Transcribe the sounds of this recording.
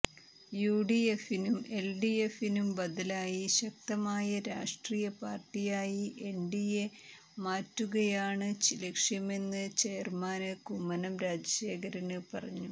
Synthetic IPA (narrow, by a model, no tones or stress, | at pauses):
juːɖiefinume̞lɖijefinumbɐd̪ɐlaːjiɕɐk̚t̪ɐmaːjɐɾaːʂʈriːjɐpaːrʈːijaːjiʔe̞ɳɖije | maːtːuɣɐjaːɳɨt͡ɕilɐkʂjɐme̞nːɨt͡ɕejɐrmaːnɨkumːɐnɐmɾaːd͡ʑɐɕe̞ːkɐɾɐnɨpɐrɐɲːu